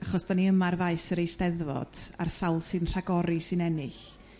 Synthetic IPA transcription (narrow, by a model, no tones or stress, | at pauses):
aχɔsd̥aniəmarvaɨsəɾejstɛðvɔ̰d̥a̰rsawlˠsɨnr̥aɡɔɾisɨnɛnɪɬ